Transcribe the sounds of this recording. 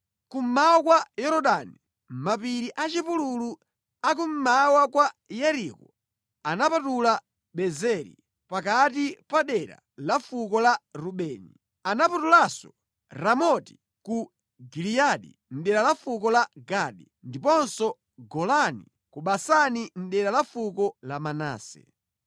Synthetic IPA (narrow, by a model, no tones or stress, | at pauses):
kum̩maɔkwajɛɾɔɗani | mapiɾiʔat͡ʃipululu | ak̬um̩mawakwajɛɾikɔ | anapatula | ɓɛzɛɾḭ | pakatipaɗɛɾa̰ | lafukɔlaɾuɓɛːni | anapatulasɔ | ɾamɔti̥ | ku | ɡiliaɗḭ | n̩ɗɛɾalafukɔlaɡaɗi | ndipɔnsɔ | ɡɔlanḭ | kuɓasanin̩ɗɛɾalafukɔlamana̰ːsɛ̰